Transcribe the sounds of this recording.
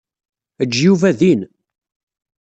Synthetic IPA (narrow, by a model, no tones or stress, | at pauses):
əd͡ʒːjuvæðin